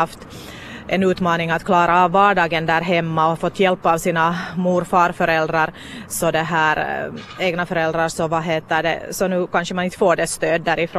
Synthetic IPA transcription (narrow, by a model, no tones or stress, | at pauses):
ft̪ | ʔɛnʉːt̪mɑːnɪŋat̪kʰlɑːɾavːɑːɖɑːɡənd̪æːɾɦɛmːaɔfɔt̪ːjɛlpːɑːʋsiːnamuːɾfɑːɾfœɾɛld̪ɾaɾ | sɔd̪ɛɦæːɾeːɡnafœɾɛld̪ɾasɔvɑɦeːt̪əɖɛ̰sɔnʉːkanʂəmanɪnt̪foːɖɛst̪øːd̪ːæːɾɪfɾoː